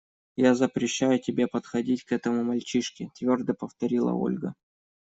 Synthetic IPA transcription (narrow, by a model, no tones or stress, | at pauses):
jazəpɾʲɪɕːæjʊtʲɪbʲepət̪xɐdʲitʲkɛt̪əmʊmɐlʲt͡ɕiʂkʲɪt̪vʲo̞rd̪əpəft̪ɐɾʲilˠə̰o̞̰lʲɡə̰